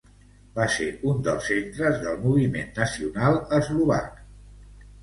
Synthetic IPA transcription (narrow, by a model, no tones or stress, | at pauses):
baseund̪əlˠsːent̪ɾəzðəlˠmuβ̞imenːəsiunalˠəzluβa̰k